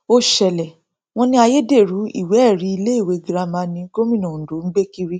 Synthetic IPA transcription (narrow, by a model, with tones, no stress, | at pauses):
o˧ʃɛ˨lɛ˨ | w̃ɔ̃˦nĩ˦a˧je˦de˦˨ɾu˨˦ḭ˦˨wɛ˨˦ɛ˦˨ɾi˨˦i˧le˦i˦˨we˨˦ɡi˦ɾa˧mã˨˧˦nĩ˧˦ɡo˦mĩ˦˨nɔ̃˨do˨˦n̩˦ɡ͡be˦ki˦˧ɾi˦